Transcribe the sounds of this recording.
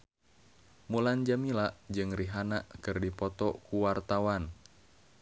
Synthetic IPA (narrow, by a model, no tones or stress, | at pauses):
muland͡ʒamilaʔd͡ʒɨŋriɦanaʔkɨrdipɔt̪ɔkuwart̪awan